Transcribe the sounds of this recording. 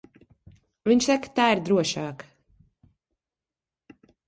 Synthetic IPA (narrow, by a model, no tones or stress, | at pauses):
viɲʃsakḁt̪aːiɾd̪ɾuɔʃaːk